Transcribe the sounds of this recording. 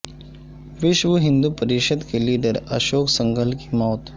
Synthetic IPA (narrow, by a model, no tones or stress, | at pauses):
ʋɪʃʋəɦɪ̃nd̪upɐɾɪʃəd̪keliːɖəɾɐ̰ʃoːksɐ̃ŋɡəlkimaːt̪ʰ